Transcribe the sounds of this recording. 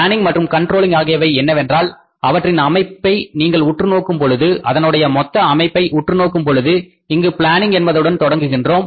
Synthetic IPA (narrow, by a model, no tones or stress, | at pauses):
aːnɪŋɡmɐʈrɯmkɐɳʈroːlɪŋɡaːɣɪjɐʋɐɪɛnːɐʋɛndraːl | ɐʋɐʈrɪnɐmɐɪpːɐɪniːŋɡɐɭʊʈrɯnoːkːɯmpɔɻɯðɯʔɐðɐnɯɽɐjɐmɔt̪ːɐːmɐɪpːɐɪʔʊʈrɯnoːkːɯmpɔɻɯðɯ | ɪŋɡɯpɪɭaːnɪŋɡɛnbɐðɯɽɐnt̪ɔɽɐŋɡɯɣɪndroːm